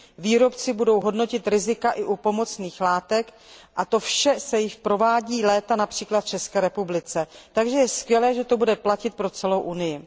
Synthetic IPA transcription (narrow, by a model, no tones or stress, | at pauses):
viːɾo̞pt͡sɪbudo̞wɦo̞dno̞cɪt̪ɾɪzɪkaʔɪʔupo̞mo̞t͡sniːxlaːt̪ɛk | ʔat̪o̞fʃɛsɛjɪʃpɾo̞vaːɟiːlɛːt̪anapr̝̥iːklat̪̚t͡ʃɛskɛːɾɛpublɪt͡sɛt̪aɡʒɛjɛskvjɛlɛːʒɛt̪o̞budɛplacɪt̪̚pɾo̞t͡sɛlo̞wʔunɪjɪ